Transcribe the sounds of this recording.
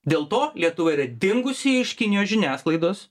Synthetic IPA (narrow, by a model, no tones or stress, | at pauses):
d̪ʲeːlˠt̪oːlʲiɛt̪ʊʋɐɪɾɐd̪ʲɪŋɡʊsʲɪɪʃkʲɪnʲɪjoːsʒʲɪnʲæːsklˠɐɪd̪oːs